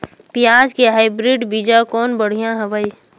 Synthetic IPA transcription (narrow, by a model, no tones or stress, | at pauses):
pɪjaːd͡ʒkeɦaːɪbɾiɖbiːd͡ʒakɔːnbəɽ̤ijãɦɛbəi